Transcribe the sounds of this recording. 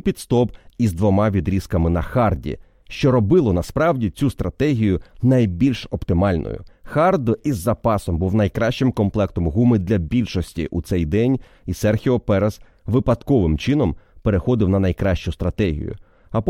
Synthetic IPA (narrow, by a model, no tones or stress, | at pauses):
pʲit̪st̪ɔpizd̪ʋɔmɑʋʲid̪ɾʲiskɐmɪnɐxɑrdʲḭ | ʃt͡ʃɔɾɔbɪlˠɔnɐspɾɑwdʲit͡sʲust̪ɾɐt̪ɛɦʲijʊnɐjbʲilʲʃɔpt̪ɪmɑlʲnɔ̰jʊ̰xɑrd̪ʊʔizːɐpɑsɔmbuwnɐjkɾɑʃt͡ʃɪmkɔmplˠɛkt̪ɔmɦumɪd̪lʲɐbʲilʲʃɔsʲtʲḭʔut̪sɛjd̪ɛnʲ | isɛrxʲiɔpɛɾɐz̥ | ʋɪpɐt̪kɔʋɪmt͡ʃɪn̪ɔmpeɾexɔd̪ɪwnɐnɐjkɾɑʃt͡ʃʊst̪ɾɐt̪ɛɦʲḭjʊ̰ | ɐp